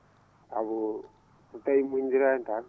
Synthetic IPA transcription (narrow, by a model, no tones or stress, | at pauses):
a̰βu | utaimuɲd͡ʒiɾanta